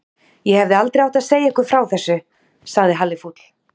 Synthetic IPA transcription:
jɛhɛvðɪalt̪ɾejawht̪aðseːjaɛhkʏfɾawθɛsːʏ | saɣðɪɦalːɪfut̪l̥

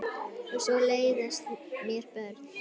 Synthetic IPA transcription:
ɛsvɔleːjðɛst̪mjɛɾ̥pœɾt̪

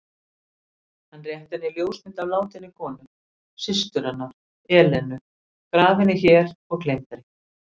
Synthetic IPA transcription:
hanːrjɛht̪ɪnɪljoːwsmɪnt̪avlaːwt̪ɪnːɪkʰɔːnʏm | sɪst̪ʏɾanːaɾ̥ | ɛːlɛnʏ | kɾaːvɪnɪçɛːɾɔɣklejmt̪aɾɪ

